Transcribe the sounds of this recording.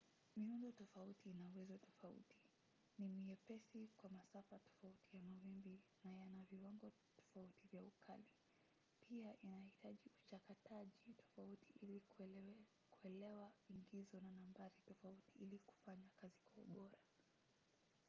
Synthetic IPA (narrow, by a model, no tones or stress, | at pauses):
miundɔtɔfautinauwɛzɔtɔfaṵti̥ | nimiɛpɛsikwamasafatɔ̥fautijamawimbinajanaviwaŋɡɔ | tɔ̥fautivjaukʰali | piaʔinahitaʄiut͡ʃakataʄitʰɔ̥fautiʔili | kuɛlɛwaiŋɡizɔnanambaɾitɔfautiʔiliku̥faɲakazikwaṵɓɔɾa